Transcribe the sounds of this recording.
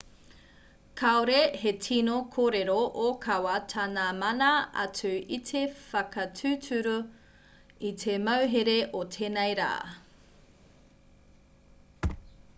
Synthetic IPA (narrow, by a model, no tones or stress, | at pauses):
kʰaoɾehetʰinokʰoːɾeɾoʔokʰɐwɐtʰanamɐnaa̰t͡sʉitʰefɐkɐtʰʉːtʰʉɾu | itʰemɐwɦeɾeʔotʰeːnejɾa̰ː